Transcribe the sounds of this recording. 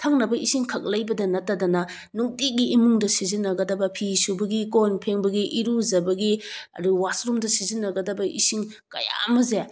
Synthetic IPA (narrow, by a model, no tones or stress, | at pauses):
tʰɐŋnɐbɐisiŋkʰɐk̚lɐjbɐdɐnɐtːɐdɐnɐ | nuk̚tiɡiːmuŋdɐsizinːɐɡɐdɐbɐpʰisubɐɡikonpʰeŋbɐɡiʔiɾuzɐbɐɡiɐ̰ɾuwasɾumdɐsizinːɐɡɐdɐbɐʔḭsiŋ | kɐ̰ja̰mɐze